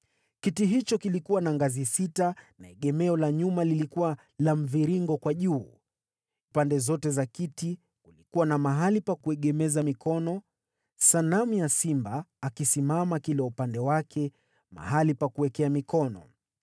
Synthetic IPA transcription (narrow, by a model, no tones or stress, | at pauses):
kitiɦit͡ʃɔkilikuwanaŋɡazisitanaɛɠɛmɛɔlaɲumalilikuwa | lam̩viɾiŋɡɔkwaʄuː | upandɛzɔtɛzakiti | kulikuwanamaɦalipakuɛɠɛmɛzamikɔnɔ | sanamjasimbaːkisimamakilɛupandɛwakʰɛ | ma̰ɦalipakuwɛkɛamikɔnɔ̰